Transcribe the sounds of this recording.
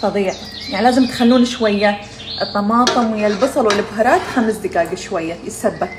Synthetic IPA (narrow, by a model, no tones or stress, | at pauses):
sˤɑðˤiːʕ | jaʕnilaːzɪmt̪xalːuːnʃwajːa | ʔɨt̪ˤːɑmɑːt̪ˤɨmwɪjːalbɑsˤɑlwɪlʔɪbɦɑɾˤɑːt̪xamsd̪ɪkaːɡaʃwajːajɪsabːab̪̚